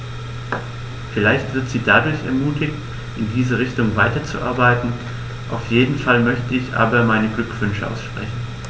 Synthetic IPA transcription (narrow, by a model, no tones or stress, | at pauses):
fɪlaɪçtv̥ɪɐtz̥iːdadʊɐçɛ̰ɐmuːtʰɪçt | ʔɪndiːzəʁ̞ɪçtʊŋvaɪtɐt͡sṵʔa̰ɐbaɪtn̩ | ʔaʊfjeːdn̩falmœçtəɪçʔa̰ːbɐmaɪnəɡlʏkv̥ʏnʃəʔa̰ʊsʃpʁ̥ɛ̰çn̩